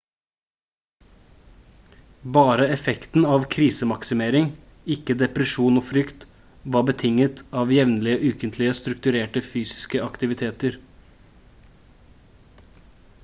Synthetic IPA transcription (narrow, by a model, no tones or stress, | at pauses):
bɑːɾəɛfɛkt̪n̩ɑːʋkʰɾiːsəmɑksɪmeːɾɪŋ | ɪkːəd̪ɛpɾəʃuːnoːfɾʏkt̪ | ʋɑːbət̪ʰɪŋət̪ɑːʋjɛʋnlɪəʔʉːkənt̪ʰlɪəst̪ɾʉk̚t̪ʉɾeːʈəfyːsɪ̥skəɑkt̪ɪʋɪt̪ʰeːt̪əɾ